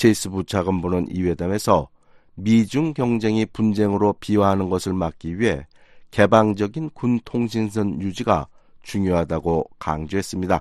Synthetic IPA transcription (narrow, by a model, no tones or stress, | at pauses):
t͡ɕʰeis͈ʰɯbut͡ɕʰaɡɯmbunɯnḭwe̞dame̞sʰʌ | mid͡ʑuŋkjʌŋd͡ʑe̞ŋipund͡ʑe̞ŋɯɾopiwaɦanɯnɡʌsʰɯɭmak̚k͈iɥiɦe̞̰ | ke̞baŋd͡ʑʌɡinkuntʰoŋɕ̬ʰins̬ʰɯnjud͡ʑiɡa̰t͡ɕuŋjoɦadaɡoka̰ŋd͡ʑoɦe̞s͈ɯmɲida